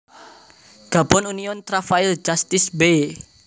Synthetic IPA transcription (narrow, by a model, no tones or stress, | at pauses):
ɡ̥a̤bɔnuniɔnt̪ɾafaild͡ʒast̪ɪsbe